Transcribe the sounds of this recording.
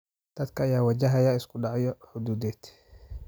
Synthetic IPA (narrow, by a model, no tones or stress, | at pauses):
t̪ɐt̪kaːjaːwad͡ʒaɦajaɪskuɗaʕjɔhud̪uːd̪ɛt̪